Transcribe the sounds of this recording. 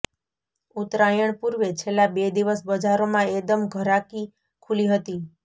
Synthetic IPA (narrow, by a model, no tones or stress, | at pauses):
ut̪ɾajəɳpuɾʋet͡ʃʰelːabed̪iʋəsbəd͡ʒaɾomãekd̪əmɡʱəɾaki | kʰuliɦət̪i